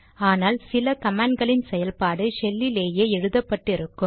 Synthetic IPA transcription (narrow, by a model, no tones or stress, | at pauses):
aːnaːlsɪlɐkɐmaːɳɖɡɐɭɪnsɛjɐlpaːɽɯʂɛlːɪleːjeːɛɻɯðɐpːɐʈːɪɾɯkːɯ